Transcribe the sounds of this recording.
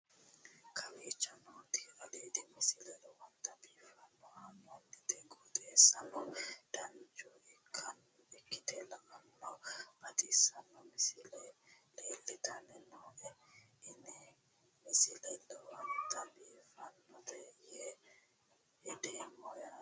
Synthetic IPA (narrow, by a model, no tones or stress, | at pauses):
kʰawit͡ʃanɔtialedimisilɛlɔwantabifanːɔhanːɔnditɛɡɔtɛsanɔd̥and͡ʒɔikʰan | ɛkːitɛlaʔanːɔbatisanːɔmisilɛlelːitanɛnɔʔɛini | misilɛlɛwantabifanːɔdɛjɛ | ɛdɛmɔja